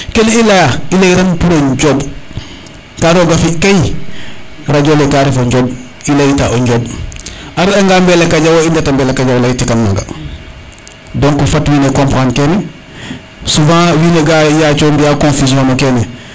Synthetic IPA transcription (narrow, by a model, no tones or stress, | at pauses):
kelilajaileiɾanpuloɲɟob | kaɾoːɡafikaji | ɾaɟolekaɾifoɲɟoːb̚ | ilejitaʔoɲɟoːb | aɾaŋɡaːmbelekaɟawoindetambelekaɟawlaɡitikanmaŋɡa̰ | dõŋkufatwiːnekõmpaːnkeni | sufãːwineɡajat͡ʃoːmbijakõnfisiõnokene